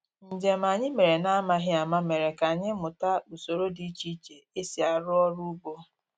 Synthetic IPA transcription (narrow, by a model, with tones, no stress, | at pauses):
n̩˨d͡ʒe˨ma˨ɲɪ˦me˨ɾe˨na˦a˦ma˦ɦɪ˦a˨ma˦me˨ɾe˨ka˨ɲɪ˦mʊ˨ta˦u˨so˨ɾo˦di˦t͡ʃi˦t͡ʃe˨e˦si˨a˨ɾʊ˦ɔ˦ɾu˦ɡ͡bo˦